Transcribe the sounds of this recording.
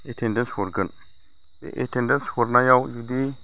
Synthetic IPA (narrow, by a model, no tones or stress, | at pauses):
etendəshuɾɡən | sḛʔḛtendənshuɾnajawjudi